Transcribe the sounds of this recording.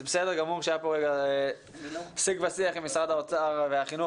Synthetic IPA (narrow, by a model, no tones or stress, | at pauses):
zebesed̪eʁɡamuʁʃeajapoʁeɡa | siɡvasiaχimisʁad̪haot͡saʁveaχinu